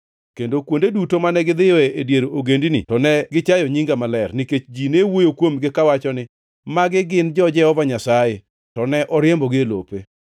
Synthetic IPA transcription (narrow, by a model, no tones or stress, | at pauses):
kendokwondedutomanɛɡɪd̪ɪjɔeedjeɾooɡendinḭtɔnɛɡɪt͡ʃajɔɲiŋɡamalɛrnɪket͡ʃd͡ʒinewojokwomɡɪkawat͡ʃɔnɪ | maɡɪɡɪnd͡ʒɔd͡ʒɛɔvaɲasaje | tɔnɛʔɔɾɪembɔɡɪelo̰pe